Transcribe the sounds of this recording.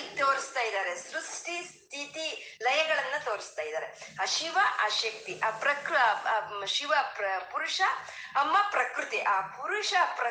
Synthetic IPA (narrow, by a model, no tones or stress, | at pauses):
t̪oːɾist̪aːjid̪aːɾesɾusʈist̪ʰit̪ilɐjɐɡɐɭɐnːɐt̪oːɾist̪aːjd̪aːɾeɐʃiʋɐʔɐʃjɐk̚t̪iʔɐpɾɐkɾ | ʃiʋɐpuɾuʂɐː | mːɐpɾɐkɾut̪iʔaːpuɾuʂɐpɾɐ